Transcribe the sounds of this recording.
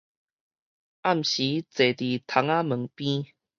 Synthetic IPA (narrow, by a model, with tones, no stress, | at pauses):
a˥˨m̩˨ɕi˨˦t͡se˨˩t̪i˨˩t̪ʰa˨˧˦ŋa˦mə˨˦ŋpĩ˦